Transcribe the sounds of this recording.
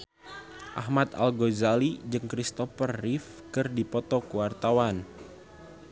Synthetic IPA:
ʔa̰hmat̪a̰lɡozalid͡ʒɨŋkɾist̪ɔfərːif | kɨrdipɔt̪ɔkuwart̪awan

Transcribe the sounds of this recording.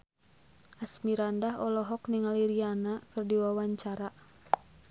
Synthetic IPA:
ʔasmiɾandaɦɔlɔɦɔkniŋaliɾianakɨrdiwawaɲt͡ʃaɾa

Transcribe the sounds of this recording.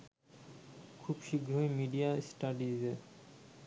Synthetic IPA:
kʰubʃiɡʱɾoemiɖiasʈaɖie

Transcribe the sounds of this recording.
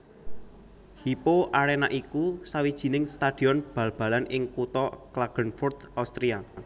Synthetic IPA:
hipoʔaɾenaʔikusawid̥ʒ̥i̤nɪŋst̪ad̥i̤ɔnb̥ä̤lb̥a̤lanɪŋkut̪ɔklaɡ̥ə̤nfʊrd̪̥awst̪ɾia

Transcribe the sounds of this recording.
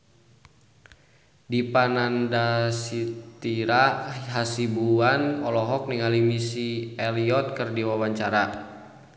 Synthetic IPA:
dipanandasit̪iɾaɦasibuanɔlɔɦɔk̚niŋalimisiɛliɔt̪̚kɨrdiwawaɲt͡ʃaɾa

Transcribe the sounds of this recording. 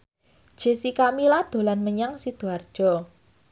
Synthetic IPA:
d̥ʒ̥e̤sikamilad̪̥o̤lanməɲaŋsid̪̥uard̥ʒ̥ɔ̤

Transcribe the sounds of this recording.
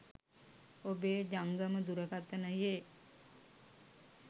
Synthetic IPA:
obeːd͡ʒaŋɡəməd̪uɾəkat̪ːənəjeː

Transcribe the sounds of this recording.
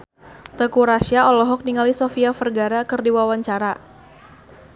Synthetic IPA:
t̪əkuɾaʃiaɔlɔɦɔk̚niŋalisofiafərɡaɾakɨərdiwawaɲt͡ʃaɾa

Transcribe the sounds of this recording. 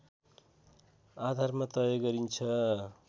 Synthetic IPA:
ad̪ʱarmat̪ʌjʌɡʌɾint͡sʰʌ

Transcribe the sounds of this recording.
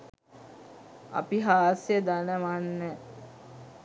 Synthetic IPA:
ɐ̰piɦaːsjəd̪anəʋanːə

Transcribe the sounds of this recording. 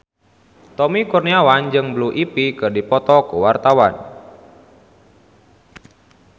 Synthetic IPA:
t̪ɔmikurniawand͡ʒɨŋbluʔipikɨrdipɔt̪ɔkuwart̪awan

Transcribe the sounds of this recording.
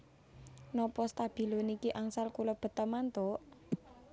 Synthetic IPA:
nɔpɔst̪ab̥i̤lonikiʔaŋsalkulɔb̥ə̤t̪əmant̪oʔ

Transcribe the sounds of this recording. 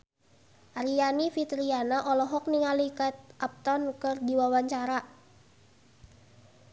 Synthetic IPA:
ʔaɾianifit̪ɾianaʔɔlɔɦɔk̚niŋalikat̪̚ʔap̚t̪ɔnkɨrdiwawaɲt͡ʃaɾa

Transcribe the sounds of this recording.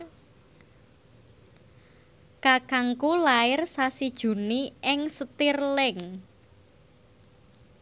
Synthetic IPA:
kakaŋkulaɪrsasid̥ʒ̥ṳniʔɪŋsət̪irlɪŋ

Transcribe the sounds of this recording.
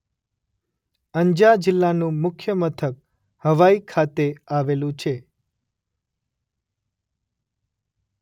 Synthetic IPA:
əɲd͡ʒad͡ʒɪlːanũmʊkʰjəmət̪ʰək̚ | həʋaikʰat̪eaʋelũt͡ʃʰe

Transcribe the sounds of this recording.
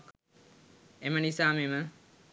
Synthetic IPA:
emənisaːmemə

